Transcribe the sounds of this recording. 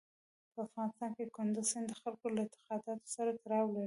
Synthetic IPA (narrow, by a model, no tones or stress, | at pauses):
pəafɣɑnɪst̪ɑnked̪əkʊnd̪ʊsɪnd̪əxalkolaɪnt̪ɪ̥qɑd̪ɑt̪o̥saɾad̪aɾɑwlaɽi